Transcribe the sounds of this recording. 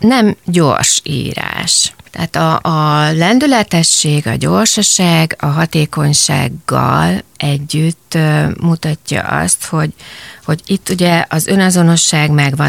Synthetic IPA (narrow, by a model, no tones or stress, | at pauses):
nɛmɟo̰ːrʃḭːɾa̰ːʃt̪ɛa̰ːt̪ɒːlɛnd̪ylɛt̪ɛʃːeːɡɒ̰ɟo̞ːrʃoʃaːɡɒɦɒt̪eːko̞ɲʃa̰ːɡːɒlʔɛɟːyt̪ːmut̪ɒcːɒ̰ʔɒ̰st̪ho̞ɟho̞ɟit̪ːuɟɛʔɒzø̞nɒzono̞ʃːaːɡmɛɡʋɒ